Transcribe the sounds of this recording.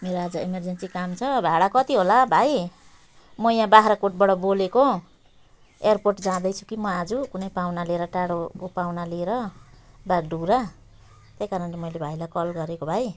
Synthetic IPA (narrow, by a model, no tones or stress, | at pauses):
meɾoad͡zʌimerd͡zensikamt͡sʰʌbʱaɽakʌt̪iɦolabʱaj | mʌjãbaɦɾakoʈ̚bʌɽʌboleko | earporʈd͡zãd̪ʌjt͡sʰu̥kimʌad͡zukunʌjpawnaleɾʌʈaɽokopawnaleeɾʌbaɡɖʱuɾa | t̪jejkaɾʌnlemʌjlebʱajlajkʌlɡʌɾekobʱaj